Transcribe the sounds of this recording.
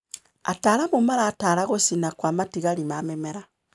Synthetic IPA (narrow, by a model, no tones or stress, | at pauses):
a̰taːɾamomaɾaːtaɾaɣosinakwamatiɣaɾimamɛmɛɾa